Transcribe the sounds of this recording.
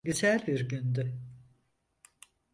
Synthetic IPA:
ɟyzælʲbiɾɟynd̪y

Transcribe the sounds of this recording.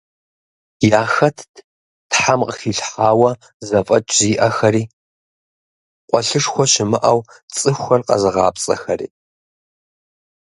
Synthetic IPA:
jaːxɐtʰ | tħamqəxiːɬħaːwɐ | zɐfʼɐt͡ʃʼziːʔɐxɐɾiː | qʷʼɔɬɨʂxʷɔʃɪmɨʔɐw | t͡sʼɨxʷxɐrqɐ̰zɨʁɑ̰ːpt͡sʼɐ̰xɐrḭː

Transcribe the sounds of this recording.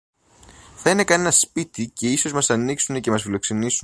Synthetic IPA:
θɐine̞kɐne̞nɐspit̪ice̞iso̞zmɐsɐniksune̞ce̞mɐsfilo̞kse̞nisu

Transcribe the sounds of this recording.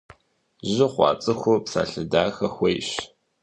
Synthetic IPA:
ʑɪχʷɑ̰ːt͡sʼɨxʷʊpsa̰ːɬɨdaːxɐxʷejɕ

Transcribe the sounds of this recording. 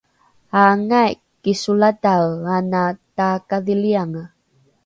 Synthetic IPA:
aŋajkːisulatawanatakaðiliaŋa

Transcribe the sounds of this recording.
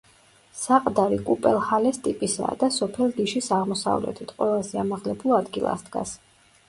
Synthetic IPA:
saqʼd̪aɾikʼupʼɛlˠhalɛst̪ʼipʼisa̰ːd̪asɔpʰɛlˠɡiʃisaʁmɔsa̰vlɛ̰t̪ʰit̪ʰʼqʼwɛlˠazɛamaʁlɛbulˠad̪ɡilˠa̰sd̪̥ɡa̰s

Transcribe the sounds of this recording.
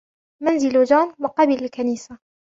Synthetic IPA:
manzɪlad͡ʒaːnwɑqɑbilɪlkaniːsa

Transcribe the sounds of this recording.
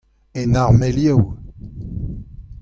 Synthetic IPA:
enaʁmeljɛw

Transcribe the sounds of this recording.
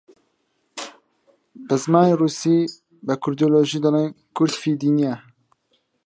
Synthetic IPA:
bɛzmɑːneːruːsiː | bɛkʰʊɾd̪oloːʒiːd̪ɨɾeːn | kʰʊɾd̪fiːd̪iːniɛ

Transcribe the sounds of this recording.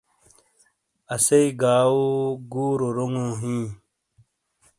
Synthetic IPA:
ɐseiɡaːwoɡuːɾoɾoŋõɦĩː

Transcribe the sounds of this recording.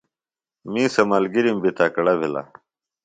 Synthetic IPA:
mĩːsɐmalɡiɾimbit̪ʰaːkɐɽɐbʱila̰

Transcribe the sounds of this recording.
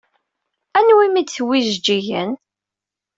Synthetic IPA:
ænwimit͡sːwiʒd͡ʒijən

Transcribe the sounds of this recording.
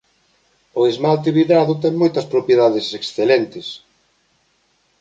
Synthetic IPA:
oðezmalt̪eβiðɾaðʊt̪ɛŋmojt̪ɐspɾopjeðaðeseksθelɛnt̪ɪs

